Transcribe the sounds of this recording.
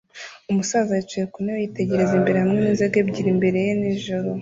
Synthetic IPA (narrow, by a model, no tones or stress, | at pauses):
umusaːzajet͡ʃejekunewejite̞ɟe̞ɾe̞zimbe̞ɾehamŋeniːnzeɡebɟiɾimbe̞ɾe̞jeniʒoɾo